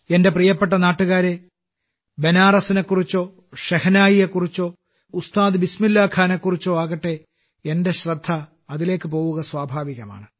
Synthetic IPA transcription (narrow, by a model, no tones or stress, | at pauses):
e̞nde̞prijɐpːe̞ʈ̬ːɐnaːʈːuɣaːɾe | be̞naːrɐsinekːurit͡ɕːo̞ː | ɕɐhɐnaːjijekːurit͡ɕːo̞ː | ust̪aːd̪ɨbismilːaːkʰaːnekːurit͡ɕːoːaːɣɐʈːe̞ | ende̞ɕrɐd̪ʱːɐ | ɐðile̞ːkːɨpo̞ːwuɣɐswaːbʱaːʋiɣɐma̰ːɳɨ